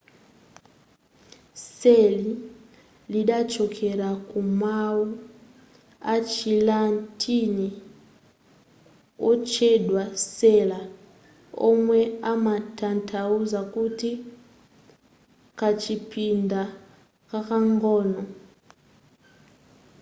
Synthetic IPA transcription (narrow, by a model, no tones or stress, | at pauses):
seli | liɗat͡ʃʰɔkʰɛɺakʼumawu | at͡ʃʰilantʰʼini | ɔt͡ʃʰɛɗwasɛla | ɔ̰mwɛamatʰantʰauzakʼutʰi | kʰat͡ʃʰipʰinda | kakaŋɡɔːnɔ